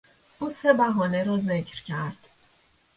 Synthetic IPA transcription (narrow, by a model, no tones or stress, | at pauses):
ʔuːse̞bæɦɒːne̞ɾɒːze̞cʰɾcʰæɾd̪̥